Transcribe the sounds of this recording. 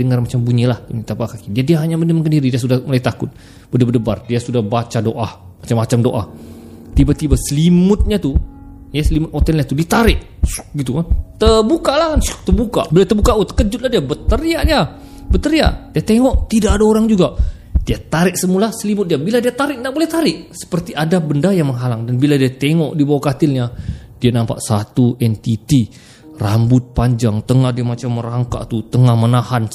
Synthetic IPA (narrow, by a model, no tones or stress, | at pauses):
dəŋarmat͡ʃambuɲilaht̪unit̪apakakidiadiaɦaɲaməndəmkəndiɾidias̬udahmolait̪akʊt̪̚ | b̥ədabədəba̰rdiasudahbat͡ʃadoʔah | mat͡ʃamːat͡ʃamdoʔa̰h | t̪ibat̪ibasəlimʊt̪̚ɲat̪ujasəlimʊt̪̚hot̪ɛlɲat̪udiat̪aɾɪʔ | sɡit̪ukant̪əbukalahkans̚t̪ərbuka̰bilat̪əbukaʔut̪ə̥kəd͡ʒʊt̪̚lahdiabət̪əɾiaʔda | bət̪əɾia̰ʔdiat̪eŋɔʔt̪idaʔadaoɾaŋd͡ʒuɡaʔ | d̥iat̪aɾɪʔ̚səmulasəlibʊt̪̚diabiladiat̪aɾɪʔ̚nabolɛht̪aɾɪʔsə̥pərt̪iʔadabəndajaŋməŋɦalaŋdanbiladiat̪eŋɔʔdibawakat̪ɪlɲadianampa̰ʔsat̪uɛnt̪it̪i | rambʊt̪̚paɲd͡ʒaŋt̪əŋahdiamat͡ʃamːəɾaŋka̰ʔt̪ut̪əŋahmənahan